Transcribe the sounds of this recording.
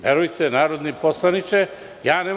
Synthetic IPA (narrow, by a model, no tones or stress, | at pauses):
ʋjeɾujt̪ʰenaːɾo̞d̪niposlˠanit͡ʃe | jaːneː